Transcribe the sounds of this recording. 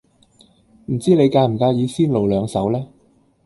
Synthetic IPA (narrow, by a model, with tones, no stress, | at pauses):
m̩˨˩t͡siː˥le˨˧jkaː˧m̩˨˩kaː˧jiː˨˧siː˥nlo˨˩wlœː˨˧ŋsɐ˨˥wlɛː˥